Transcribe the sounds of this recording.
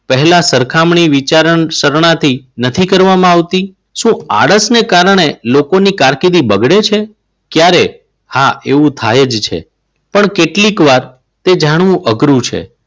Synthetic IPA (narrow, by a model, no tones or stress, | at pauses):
pəɦɛlasəɾkʰamɳiʋit͡ʃaɾəɳsəɾɳãt̪ʰinət̪ʰikəɾʋamãaʋt̪i | ʃũa̰ɽəsnekaɾɳ̃elokonikaɾkid̪ibəɡɽet͡ʃʰe | kjaɾe | haeʋũt̪ʰajed͡ʒt͡ʃʰḛ | pəɳkeʈlikʋaɾ | t̪ed͡ʒaɽ̃ʋũʔəɡɾũt͡ʃʰḛ